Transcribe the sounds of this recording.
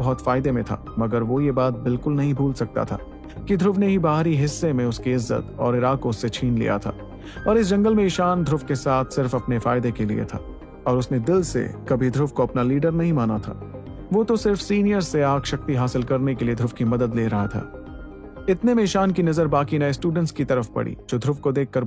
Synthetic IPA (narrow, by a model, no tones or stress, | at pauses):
bɐɦʊt̪faːɪd̪emẽt̪ʰa̰ːmɐɡəɾʋojebaːt̪̚bɪlkʊlnɐɦĩbʱuːlsɐk̚t̪a̰t̪ʰa̰ː | kid̪ʱɾʊfneɦibaːɦɾiɦɪsːemẽʊskiɪzːə̰t̪ɔːɾɪɾaːkosːet͡ʃʰiːnlḭja̰t̪ʰa̰ː | ɔːɾɪsd͡ʒɐ̃ŋɡəlmẽɪʃaːnd̪ʱɾʊfkesaːt̪ʰsɪɾfɐpnefaːɪd̪ekelḭḛt̪ʰaː | ɔːɾʊsnẽd̪ɪlsḛkɐbʱid̪ʱɾʊfkoɐpnaliːɖəɾnɐɦĩmaːnat̪ʰa̰ː | ʋoːt̪osɪɾfsiːnijəɾseaːkʃɐk̚t̪iɦaːsɪlkɐɾnekelied̪ʱɾʊfkimɐd̪əd̪leːɾɐɦat̪ʰa̰ː | ɪt̪nemẽɪʃaːnkinɐzəɾbaːkinaesʈuːɖə̃ɳʈskit̪ɐɾəfpɐ̰ɽʔḭd͡ʒoːd̪ʱɾʊfkod̪eːk̚ʰːɐɾ